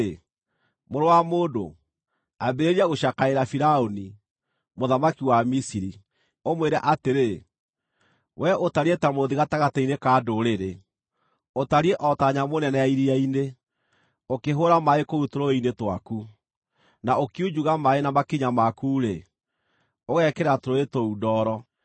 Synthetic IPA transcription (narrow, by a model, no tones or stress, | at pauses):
moɾowamoːdo̰ | abeɾeɾiaɣoʃakaeɾafiɾaoni | moðamakiwamisiɾi | omweɾaʔateɾe | wʔɛʔotaɾietamoðiɣataɣatainekadoɾeɾe | otaɾiɛʔɔtaɲamonɛnɛaiɾiaine | okeɦoɾamaekoutoɾoinetwa̰ku | naokiud͡ʒuɣamaenamakiɲamakuːɾḛ | oɣɛkɛɾatoɾoetoudɔɾɔ